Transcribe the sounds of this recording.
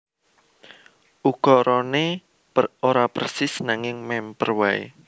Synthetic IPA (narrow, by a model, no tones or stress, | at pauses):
ʔukɔɾɔne | oɾapərsɪsnaŋɪŋmɛmpərwɛḛ